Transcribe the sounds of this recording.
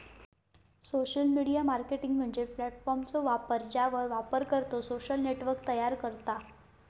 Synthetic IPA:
soɕəlmiɽijamaɾkeʈiŋɡm̤əɳd͡zeflɛʈfɔɾmt͡soʋapəɾd͡ʑaʋəɾʋapəɾkəɾt̪osoɕəlneʈʋəɾk̚t̪əjaɾkəɾt̪a

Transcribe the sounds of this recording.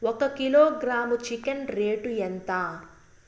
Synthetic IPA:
ɔkɐkiloːɡɾaːmut͡ʃikɐnɾeːʈuent̪aː

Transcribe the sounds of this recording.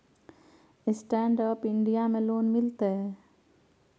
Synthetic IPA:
ɪsʈɛːɳɖəːpɪɳɖijamẽloːnmɪlt̪eɦɛː

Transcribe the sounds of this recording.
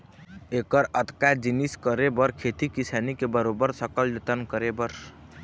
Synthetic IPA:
ekəɾət̪kad͡ʒiniskəɾebəɾkʰet̪ikisanikebəɾobəɾsəkəld͡ʒət̪ənkəɾebəɾ

